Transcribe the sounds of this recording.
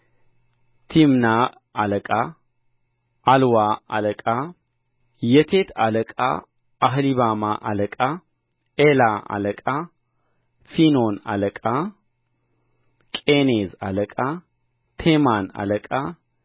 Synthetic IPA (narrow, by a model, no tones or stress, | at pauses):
t̪ʰimna | aləkʼa | alwaa̰ləkʼa | jɛt̪ʰet̪ʰaləkʼa̰ | ʔaɦliβamaʔaləkʼa | elaa̰ləkʼa | finona̰ləkʼa | kʼenezaləkʼa | t̪ʰemana̰ləkʼa